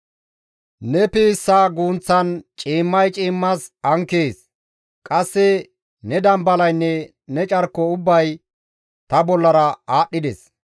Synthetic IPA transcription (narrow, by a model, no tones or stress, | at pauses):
nɛpiːsːaːɡuːnt͡sːɐnt͡ʃʼiːmːɐjt͡ʃʼiːmːɐsɐŋkeːs | kʼɐsːɛ | nɛd̪ɐmbɐlɐjnːɛ | nɛt͡ʃʼɐɾkːɔʊbːɐj | t̪ɐbɔlːɐɾɐaːɗːɪd̪ɛs